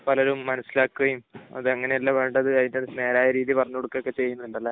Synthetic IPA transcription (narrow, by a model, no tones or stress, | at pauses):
pɐlɐɾumːɐnɐsːilaːkːuɣɐjumɐ̰ðɨɐŋːɐne̞jɐlːaʋe̞ːɳɖɐðɨɐðinɐne̞ːɾaːjɐɾiːðipɐrɐɲːukoɽukːɐokːe̞t͡ɕe̞jːunːɐiɭɖɐlːɐ